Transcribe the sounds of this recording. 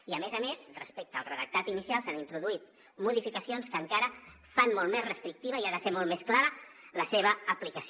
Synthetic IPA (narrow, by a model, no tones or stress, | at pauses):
iəmezəmezrəspek̚t̪əːlˠrəðək̚t̪at̪inisialˠsanint̪ɾuðuit̪ | muðifikəsionskəːŋkaɾə | fanmolˠmezrəst̪ɾik̚t̪iβəiaðəseɾmɔlˠmesklaɾələseβ̞əəplikəs